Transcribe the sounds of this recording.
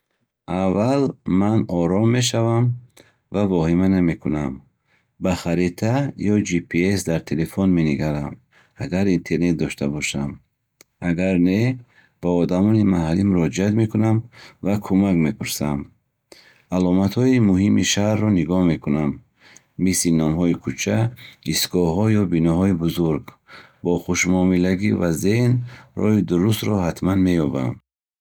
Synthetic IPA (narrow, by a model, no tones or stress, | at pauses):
ʔavalmanɔɾɔmːe̞ʃ̬avam | vavɔhimaname̞kʰunam | baχaɾit̪ʰajɔd͡ʒipʰiesd̪aɾt̪ʰelefɔnme̞niɡaɾam | aɡaɾint̪ʰe̞ɾne̞t̪̚d̪ɔʃt̪abɔʃam | aɡaɾne | b̥aɔd̪amɔnimahalːimuɾɔd͡ʒiat̪me̞kʰunamvakʰumakme̞pʰuɾsam | alɔmat̪hɔimuɦimḭʃahɾːɔniɡɔhme̞kʰunamː | islinɔmɦɔikʰut͡ʃʰaisɡɔɦɔjɔbinɔɦɔibuzuɾɡ | bɔχuʃmɔmilaɡivazenrɔ̰hid̪uɾust̪ɾɔhat̪manme̞jɔba̰m